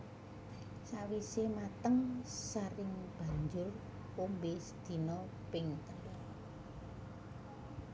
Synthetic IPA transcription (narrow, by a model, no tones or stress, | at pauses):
sawisemat̪əŋsaɾɪŋb̥a̤ɲd͡ʒʊr | ombesd̪̥i̤nɔ | pɪŋt̪əlɔ